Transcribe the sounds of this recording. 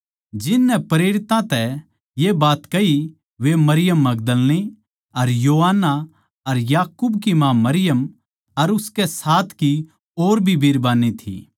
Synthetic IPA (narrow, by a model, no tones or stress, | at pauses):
d͡ʒɪnːɛpɾeːɾɪt̪ãt̪ɛ | jebaːt̪kɐi | ʋemɐɾɪjəmːɐɡd̪əlni | ɐɾjoːɦanːa | ɐɾjaːkubkimãːmɐɾɪjəm | ɐɾʊskɛsaːt̪ʰki | oːɾbʱibʱiːɾbaːnːit̪ʰḭː